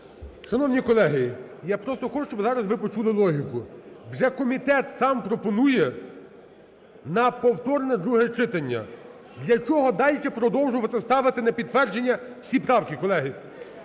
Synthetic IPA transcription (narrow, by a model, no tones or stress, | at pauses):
ʃɐnɔwnʲikɔlˠɛɦɪjɑpɾɔst̪ɔxɔt͡ʃuʃt͡ʃɔbɪzɑɾɐzʋɪpɔt͡ʃulˠɪlˠɔɦʲikʊwʒɛkɔmʲit̪ɛt̪sɑmpɾɔpɔnujɛ | nɐpɔwt̪ɔɾnɛd̪ɾuɦɛt͡ʃɪt̪ɐnʲːɐ̰ | d̪lʲɐt͡ʃɔɦɔd̪ɑlʲt͡ʃɛpɾɔd̪ɔwʒʊʋɐt̪ɛst̪ɑʋɪt̪ɪnɐpʲid̪t̪ːʋɛrd͡ʒenʲːɐwsʲipɾɑwkʲikɔlˠɛɦɪ